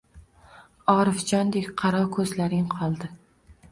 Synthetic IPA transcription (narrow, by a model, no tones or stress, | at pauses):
ɒɾɪfd͡ʒɒnd̪ekʲqʰɑɾɒkʰɵzlaɾɪŋqʰɒlˠd̪ɪ